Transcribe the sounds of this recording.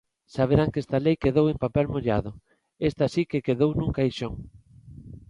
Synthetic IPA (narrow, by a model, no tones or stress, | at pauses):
saβ̞eɾaŋkest̪alejkeðowempapɛlmoʎa̰ðʊ | est̪asikekeðownũŋkajʃoŋ